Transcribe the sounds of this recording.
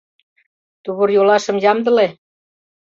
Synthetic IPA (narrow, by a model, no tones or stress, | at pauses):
t̪uβurjolɑʃɤ̆mjɑmd̪ɤ̆le